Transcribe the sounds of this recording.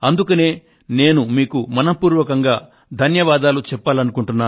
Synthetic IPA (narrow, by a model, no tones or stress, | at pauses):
ɐnd̪ukɐneː | ne̞ːnumiːkumɐnɐpuːɾʋɐkɐŋɡaː | d̪ʱɐnjɐʋaːd̪aːlut͡ʃɛpːaːlɐnukuɳʈunːaː